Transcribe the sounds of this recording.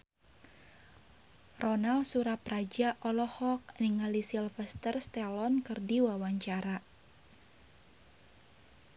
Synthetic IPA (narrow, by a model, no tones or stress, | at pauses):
rɔnalsuɾaprad͡ʒaʔɔlɔhɔk̚niŋalisilfɛst̪ərst̪ɛlɔnkɨrdiwawaɲt͡ʃaɾa